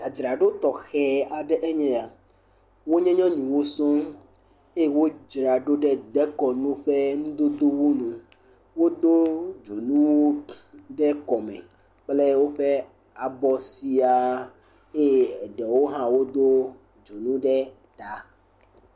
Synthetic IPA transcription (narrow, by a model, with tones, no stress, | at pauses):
da˨d͡ʒɾa˨ɖo˦t̪ɔ˨xɛ˨a˨ɖɛ˦ʔɛ˦ɲɛ̃˦a˨ | wo˦ɲɛ̃˦ɲɔ̃˦ɲĩ˨wo˦sɔ̃˦ | e˦e˨wo˦d͡ʒɾa˨ɖo˦ɖɛ˦d̪ɛ˦kɔ˨nũ˦ɸɛ˦nũ˦d̪o˦d̪o˦wu˦nũ˨ | wo˦d̪o˦d͡ʒo˨nũ˦wɖɛ˦kɔ˨mɛ̰̃˨ | k͡plɛ˦wo˦ɸɛ˦ | a˨bɔ˨si˦a˨ | e˦˨ɖɛ˨wo˦ɦã˦wo˦d̪o˦ | d͡ʒo˨nũ˦ɖɛ˦ | t̪a˨